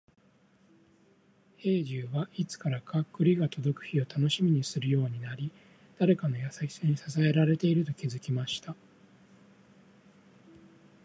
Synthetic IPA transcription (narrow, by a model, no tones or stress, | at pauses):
he̞ːʑɨːβait͡sɨ̥kaɾakakɯ̟ɾʲiɡat̪o̞d̪o̞kɯ̟̥çio̞t̪ano̞ɕimʲiɲ̟isɨɾɯ̟jo̞ːɲ̟inaɾʲi | d̪̥aɾe̞kano̞jasakʲi̥saɲ̟isasae̞ɾaɾe̞t̪e̞iɾɯ̟t̪o̞kʲizɨkʲimaɕi̥t̪a